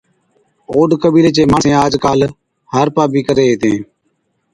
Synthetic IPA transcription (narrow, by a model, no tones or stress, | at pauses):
oːɖkəbiːleːt͡ʃeːmãːẽːaːd͡ʒkaːl | həɾpaːbiːkəɾeːeːt̪ẽː